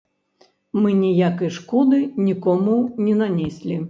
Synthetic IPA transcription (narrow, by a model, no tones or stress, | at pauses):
mɨnʲijakɐjʂkɔd̪ɨnʲikɔmunʲɛnanʲɛsʲlʲi